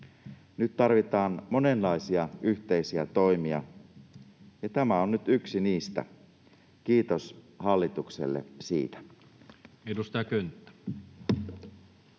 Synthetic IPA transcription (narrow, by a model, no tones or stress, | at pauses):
nyt̪t̪ɑrʋit̪ɑːnmo̞ne̞nlɑisiɑyht̪e̞isiæt̪o̞imiɑ̰ | jɑt̪æmæo̞nnyt̪yksiniːst̪æ̰ | kiːt̪o̞s | hɑlːit̪uksḛlːḛsḭːt̪æ̥ | edust̪ɑjɑkønt̪ːæ̥